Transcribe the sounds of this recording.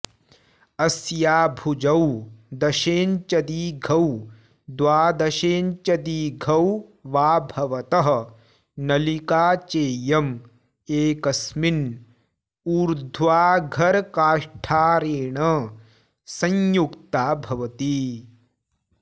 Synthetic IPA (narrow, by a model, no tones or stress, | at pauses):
ɐsjaːbʱud͡ʒɐwd̪ɐʃeːnt͡ʃɐd̪iːɡʱɐw | d̪ʋaːd̪ɐʃeːnt͡ʃɐd̪iːɡʱɐwʋaːbʱɐʋɐt̪ɐɦɐ̆ | nɐlikaːt͡ʃeːjɐm | eːkɐsmin | uːɾd̪ʱʋaːɡʱɐɾkaːʂʈʰaːɾeːɳɐ | sɐ̃ɲjukt̪aːbʱɐʋɐt̪i